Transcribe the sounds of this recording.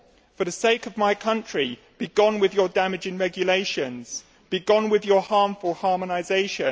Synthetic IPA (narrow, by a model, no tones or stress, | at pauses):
fəðəseɪkəvmaɪkʰʌ̃nt͡ʃɹ̥i | b̥iɡɒ̃nwɪðjədamɪd͡ʒɪ̃ŋɹɛɡjəleɪʃə̃nz̥ | b̥iɡɒ̃nwɪðjəhɑːˑɱfəlˠhɑːmənaɪzeɪʃə̃